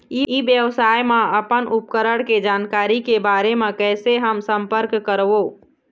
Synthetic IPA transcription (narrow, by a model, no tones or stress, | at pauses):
iibjəʋsaːjmẽəpənʔʊp̚kəɾəɽked͡ʒaːnkaːɾikebaːɾemẽkɛːseɦəmsə̃mpəɾkːəɾʋoː